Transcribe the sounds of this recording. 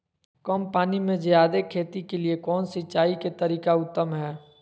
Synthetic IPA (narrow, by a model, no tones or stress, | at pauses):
kəmpaːnimẽd͡ʒjaːd̪ekʰeːt̪ikeliekɔːnsɪt͡ʃaːiket̪əɾiːkaʊt̪ːəmɦɛː